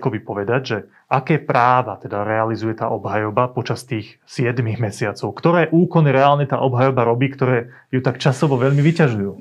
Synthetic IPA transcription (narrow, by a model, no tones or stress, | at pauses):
kɔbipɔʋɛd̪aɟʒɛ | ʔakɛːpɾaːʋat̪ɛd̪aɾɛalizujɛt̪a̰ːʔɔbɦajɔbapɔt͡ʃast̪iːx | sɪɛd̪miɣmɛsɪat͡sɔʊkt̪ɔɾɛːʔuːkɔniɾɛaːlɲɛt̪a̰ːʔɔbɦajɔbaɾɔbiːkt̪ɔɾɛː | jut̪akt͡ʃasɔʋɔʋɛʎmiʋicaʒujuː